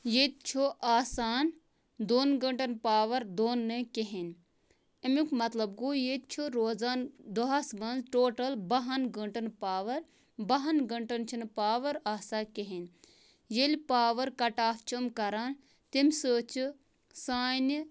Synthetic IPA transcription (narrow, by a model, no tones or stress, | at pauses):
jet̪̚t͡ʃʰoʔaːsaːn | d̪oːnɡɐɳʈɐnpaːʋɐɾd̪oːnːekeɦen | emukmɐt̪lɐb̚ɡuːjet̪t͡ʃʰuɾoːzaːnd̪oɦasmɐnzʈoːʈɐlbɐɦɐnɡəɳʈɐnpaːʋɐɾ | bɐɦɐnɡɐɳʈɐnt͡ʃʰinɨpaːʋɐɾaːsaːkeɦen | jelʲpaːʋɐɾkɐʈaːft͡ʃʰumkɐɾaːn | t̪imʲsəːt͡ʃʰi | saːn